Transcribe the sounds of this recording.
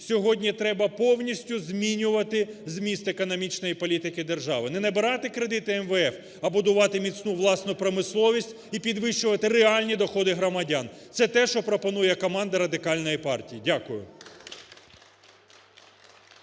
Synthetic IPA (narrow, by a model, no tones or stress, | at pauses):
sʲɔɦɔdʲnʲit̪ɾɛbɐpɔwnʲisʲtʲʊzʲmʲinʲʊʋɐt̪ɪzmʲist̪ekɔnɔmʲit͡ʃnɔjipɔlʲit̪ɪkɪd̪erʒɑ̰ʋɪnɛnɐbɪɾɑt̪ɪkɾed̪ɪt̪ɪɛmʋɛɛf | ɐbʊd̪ʊʋɑt̪ɪmʲit͡sʲnuʋlˠɑsnʊpɾɔmɪslˠɔʋʲisʲtʲipʲid̪ʋɪʃt͡ʃːʊʋɐt̪ɪɾeɑlʲnʲid̪ɔxɔd̪ɪɦɾɔmɐdʲant̪sɛt̪ɛʃt͡ʃɔpɾɔpɔnujɛkɔmɑnd̪ɐɾɐd̪ɪkɑlʲnɔjipɑrtʲijidʲakʊjʊ̰